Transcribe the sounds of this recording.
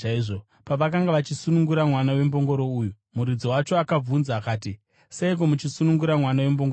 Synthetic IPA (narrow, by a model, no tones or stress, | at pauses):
aiʐo | paʋakaŋɡaʋat͡ʃisunuŋɡuɾamwanawe̞mbo̞ŋɡo̞ɾo̞uːju | muɾid͡zowat͡ʃoakab͡vunzaːkaːti | seik̬o̞mut͡ʃisunuŋɡuɾamwanawe̞mboŋɡo